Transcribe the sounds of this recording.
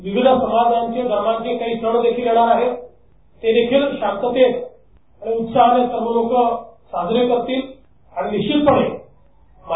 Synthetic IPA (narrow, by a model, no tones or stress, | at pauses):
ʋiʋid̪əsəmad̪ʱaɲt͡ɕeɡʱəɾmãɲt͡ɕekaɦiːt̪ʰəɽ̃əd̪ekʰiːljeɽ̃aɾaɦe | t̪ed̪ekʰiːlɕãŋt̪ət̪et̪ | aɽ̃iut̪saɦanesɾəməlokəsad̪ʱnikəɾt̪iːl | aɽ̃iniɕiːlpəɽe | m